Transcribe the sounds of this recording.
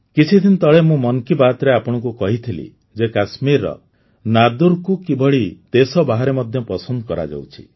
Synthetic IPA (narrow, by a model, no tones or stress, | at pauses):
kit͡ʃʰid̪ʰint̪ɔɭemũmɔnkibat̪ɾeapɔɽ̃ɔ̃kukɔɦit̪ʰilḭ | d͡ʒekasmiɾɔ̰ | nad̪uɾkukibɔɭit̪esɔbaɦaɾemɔd̪ʱjɔpɔsɔnd̪ɔkɔɾa̰d͡ʒa̰wt͡ʃʰi̥̰